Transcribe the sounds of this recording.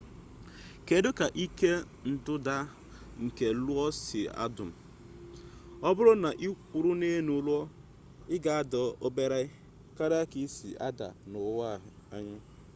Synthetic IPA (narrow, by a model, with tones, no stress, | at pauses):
ke˨dʊ˦ka˨ʔi˦ke˦ | n̩˨dʊ˦da˦ | ŋ̩˨ke˨lʊ˦ɔ˦sɪ˨a̰˦dʊ˨m̩˨ | ɔ˦bʊ˦ɾʊ˦na˨ʔi˦kʷu˨ɾʊ˦ne˦nu˨˦lu˦ɔ˦ | ɪ˦ɡa˨a˦dɔ˨o˦be˦ɾa˦ɪ˦ | ka˦ɾa˦ki˦sḭ˨ʔa̰˦da̰˨nʊ˨˦wa˦˨a˦ɲa˦